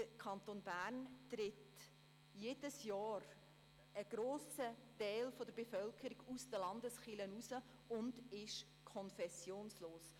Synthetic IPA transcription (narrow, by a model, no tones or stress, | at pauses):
əkʰɑnt̪oːnbæːɾntɾɪt | jeːd̥əsjɑːɾ | əɡ̥ɾoːsətɛɪlfɔdəɾbefœlkʰəɾiɡusd̥əlɑndəsχɪlənusə | ʊndɪʃ | kʰɔnfɛsjoːnsloːs